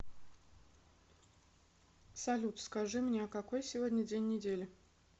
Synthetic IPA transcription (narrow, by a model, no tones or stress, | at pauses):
sɐlʲut̪skɐʐɨmnʲeɐkɐko̞jsʲɪvo̞dʲnʲədʲenʲːɪdʲelʲɪ